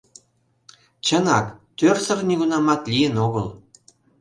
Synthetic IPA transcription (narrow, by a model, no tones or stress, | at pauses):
t͡ɕənɑkt̪ørsə̆rnʲyɣunɑmɑt̪lʲijenoɣəl